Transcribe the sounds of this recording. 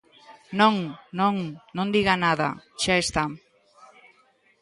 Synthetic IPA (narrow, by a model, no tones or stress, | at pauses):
nõŋnõŋnõnd̪iɣanaða̰ʃaest̪am